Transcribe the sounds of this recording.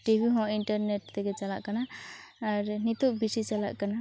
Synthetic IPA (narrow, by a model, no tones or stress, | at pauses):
ʈibʱiɦɔ̃iɳʈəɾneʈ̚d̪eɡet͡ʃalaʔkanaː | ɾnit̪uʔbisit͡ʃala̰ʔkana